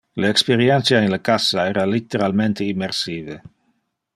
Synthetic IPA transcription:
leekspeɾjent̪sjaenlakasaeːɾalit̪ːeɾalment̪eimːeɾsiːve

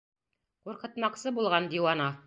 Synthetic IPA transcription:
quɾqɤ̆t̪mɑqsɤbulˠʁɑnd̪iwɑnɑ

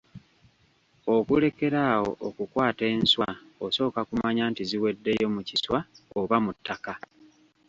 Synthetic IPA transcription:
okule̞ke̞ɾaːwo̞̰ʔokukwaːte̞ːnswa | oso̞ːkakumaɲaːntiziwe̞dːe̞jo̞muciswaoβamutːaka

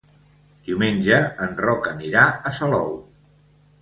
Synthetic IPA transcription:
d̪̥iumenʲʒəənrɔkəniɾaəsəlɔw

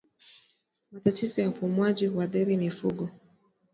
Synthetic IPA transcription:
matatizɔjaufumwaʄiwaɗɛɾimifuɡɔ

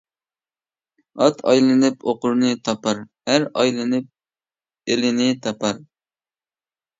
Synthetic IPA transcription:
ɑt̪ʰɑjlɨnɨpoqʊɾnɨt̪ʰɑpɑɾhæɾɑjlˠɨnɨp̚ | elɪnɪt̪ʰɑpʰɑɾ

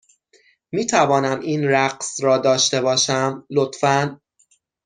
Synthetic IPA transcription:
miːt̪ʰævɒːnæmiːnɾæɢsɾɒːd̪ɒːʃt̪e̞bɒːʃæmlot̪fæn

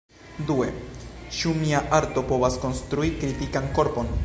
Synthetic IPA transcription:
due̞̰t͡ʃumiaʔaɾto̞po̞vasko̞nst̪ɾuikɾitikanko̞ɾpo̞n

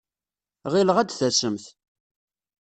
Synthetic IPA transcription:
ʁiləʁæd̪θæsəmθ

